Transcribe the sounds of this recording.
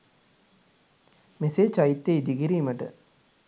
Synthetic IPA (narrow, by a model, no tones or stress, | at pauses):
meseːd͡ʒɐjit̪ːeid̪iɡiɾiːmɐʈə̰